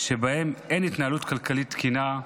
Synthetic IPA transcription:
ʃebahemenit̪naalut̪kalkalit̪ːkina

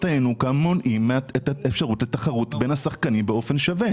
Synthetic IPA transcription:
tajenukamːonʔimːaet̪aefʃaʁutlet̪aχaʁut̪be̞nhasaχkanibeo̞fe̞nʃave

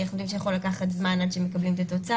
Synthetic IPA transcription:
aχmod̪imʃejaχolakaχat̪zmanad̪ʃemekablimet̪at̪o̞t͡sa

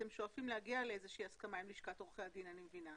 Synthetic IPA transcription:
t̪e̞mʃoafimlehaɡialeezeʃeiaskamaimliʃkat̪oχead̪inanimevina

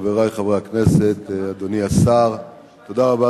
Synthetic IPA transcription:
veʁajχavʁeakne̞se̞t̪ad̪o̞niasaʁ | t̪o̞d̪aʁaba

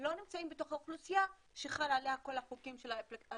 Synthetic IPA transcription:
lo̞nimt͡saimbeto̞χauχlusija | ʃeχalaleako̞laχukimʃelap

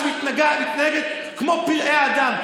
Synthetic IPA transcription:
mit̪naɡamit̪naheɡet̪ | kmo̞piʁʔeaad̪am

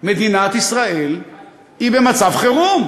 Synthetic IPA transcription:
med̪inat̪isʁae̞l | ibe̞mat͡savχeʁum

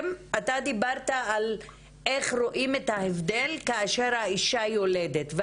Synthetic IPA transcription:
mat̪ad̪ibaʁtaːl | ʔeχʁo̞ʔimet̪haevd̪e̞lkaːʃe̞ʁhaiʃajo̞ledet̪ve

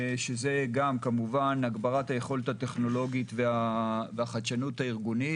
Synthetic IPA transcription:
ʃeze̞ɡamkamuvanaɡbaʁat̪haje̞χo̞let̪hat̪e̞χno̞lo̞ɡit̪veaveaχat̪ʃanuthaiʁɡuni

